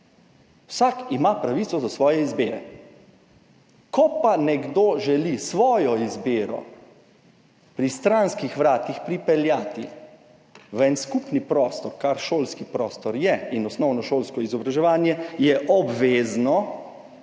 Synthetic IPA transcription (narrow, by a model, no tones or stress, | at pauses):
wsakimapɾaʋit̪sɔzasʋɔːjɛizbeːɾɛ | kɔpanɛɡd̪oʒɛlisʋɔːjɔizbeːɾɔ̰ | pɾist̪ɾanskixʋɾaːt̪ixpɾipɛljaːt̪i | ʋɛnskupnipɾɔːst̪ɔɾkaɾʃoːlskipɾɔst̪ɔɾjɛinɔsnɔwnɔʃoːlskɔizɔbɾaʒɛʋaːnjɛjɛʔɔbʋeːznɔ